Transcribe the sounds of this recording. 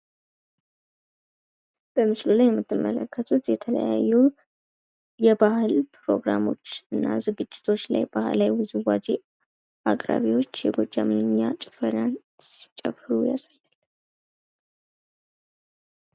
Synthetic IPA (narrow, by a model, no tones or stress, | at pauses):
b̥əmɨslulajɛmːɨt̪ʰːɨmːələkʰːət̪ʰut̪jɛt̪ʰələ̰jajːu | jɛbahɨlpʰɾo̞̰ɡɾamo̞t͡ʃːɨnːazɨɡɨd͡ʒːɪ̥t̪ʰo̞t͡ʃːla̰jb̥ahɨ̰lajwɨzuwad͡ʒ̪i | ʔakʼɾa̰βiwo̞t͡ʃːjɛɡod͡ʒːamɨnɨɲːat͡ʃʼɪ̥fəɾjan | si̥t͡ʃʼəfɾujasajːal